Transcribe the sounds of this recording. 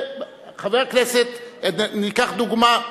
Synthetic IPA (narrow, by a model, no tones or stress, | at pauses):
χaveʁakneset̪nikaχd̪uɡma